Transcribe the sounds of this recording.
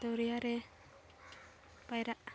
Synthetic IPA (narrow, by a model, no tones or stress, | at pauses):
d̪ɔɾijaɾɛ | pajɾaʔ